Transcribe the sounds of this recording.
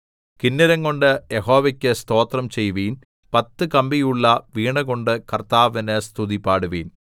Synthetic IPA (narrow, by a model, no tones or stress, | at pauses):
kinːɐɾɐŋːo̞ɳɖɨjeɦoːʋɐkʲːɨst̪o̞ːt̪rɐmt͡ɕe̞jʋiːn | pɐt̪ːɨkɐmbijuɭːɐʋiːɳɐɣo̞ɳɖɨkɐrt̪aːʋɐnɨst̪ʰuðipːaːɽuʋḭːn